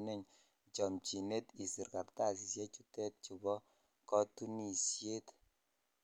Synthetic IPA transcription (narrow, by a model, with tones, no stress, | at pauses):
ne˦˨ɲ | t͡ʃɔ˨mt͡ʃi˨ne˦ti˨si˨ɾka˨ɾta˦˨s̬i˨sjɛ˦t͡ʃu˦tɛ˦t̚t͡ʃu˨bɔ˦ | kɔ˦tu˦ni˨sje˦t